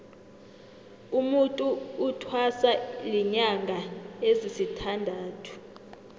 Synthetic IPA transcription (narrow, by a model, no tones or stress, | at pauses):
umutʼuːtʰwasaliɲaŋɡʱaezisitʰandʱaːtʰu̥